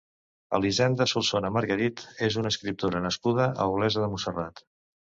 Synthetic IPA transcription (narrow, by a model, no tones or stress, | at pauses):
ə̰lizɛnd̪əsulˠsonəməɾɣəɾit̪ezunəskɾip̚t̪oɾənəskuð̞əʔə̰uɣlɛzəðəmusərat̪